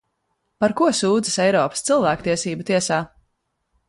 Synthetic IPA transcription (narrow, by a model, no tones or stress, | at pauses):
paɾkuɔsuːd̪zɨsɛjɾɔːpə̥st̪silˠvæːkt̪iɛsiːbut̪iɛsaː